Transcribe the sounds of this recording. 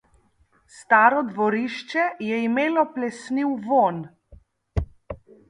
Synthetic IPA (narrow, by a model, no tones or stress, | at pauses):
st̪aːɾɔd̪ʋɔɾiʃt͡ʃɛjɛimeːlɔplɛsniwʋon